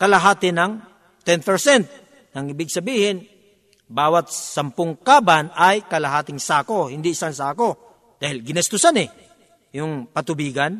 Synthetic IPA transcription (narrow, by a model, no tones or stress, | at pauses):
kɐlɐɦaːt̪ɪnɐŋ | t̪ɛnpɛɹsɛnt̪̚ | nɐŋɪbɪɡ̚sɐbiːhɪn | baːwat̪̚sɐmpʊŋkaːbanajkɐlɐɦaːt̪ɪŋsaːkohɪnd̪ɪɪsaŋsaːko | d̪aːhɪlɡɪnɛst̪ʊsanɪ | jʊŋpɐt̪ʊbiːɡɐn